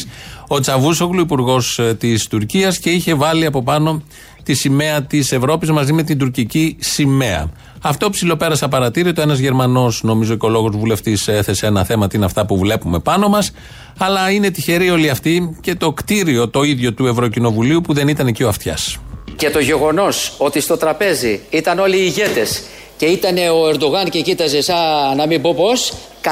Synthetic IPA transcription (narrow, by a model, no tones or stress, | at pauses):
o̞t͡sɐvusoɣluipuɾɣo̞st̪ist̪uɾciɐsce̞içe̞vɐliɐpo̞pɐno̞ | t̪isime̞ɐt̪ise̞vɾo̞pizmɐzime̞t̪ind̪uɾcicisime̞ɐ̰ | ɐft̪o̞psilo̞pe̞ɾɐsɐpɐɾɐt̪iɾiot̪oe̞nɐzʝe̞ɾmɐno̞sno̞mizo̞ceo̞lo̞ɣozvule̞ft̪ise̞θe̞seenɐθe̞mɐt̪inɐft̪ɐpuvle̞pume̞pɐno̞mɐs | ɐlɐine̞t̪içe̞ɾio̞liɐft̪ice̞t̪o̞kt̪iɾio̞t̪o̞iðʝo̞t̪ue̞vɾo̞cino̞vuliupuðe̞nit̪ɐnecio̞ɐft̪çɐ̰sce̞t̪o̞ʝe̞ɣo̞no̞so̞t̪ist̪o̞t̪ɾɐpe̞ziit̪ɐno̞liːʝe̞t̪e̞s | ce̞it̪ɐne̞oe̞ɾd̪o̞ɣɐncecit̪ɐze̞sɐnɐmibopo̞s | k